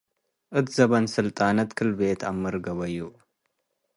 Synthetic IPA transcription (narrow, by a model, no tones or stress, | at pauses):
ʔɨt̪ʰzɐβɐnsɨlt̪ʼaːnɐt̪kʰɨlbeːt̪ʰamɨɾɡɐβɐjːu